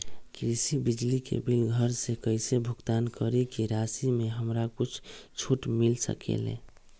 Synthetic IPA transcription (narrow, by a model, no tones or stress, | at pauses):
kɾisibid͡ʒlikḛbilɡʱəɾsekəɪsebʱuɡt̪ankəɾekiɾasimeɦəmɾakut͡ʃʰt͡ʃʰuʈmilsə̰kḛlḛ̃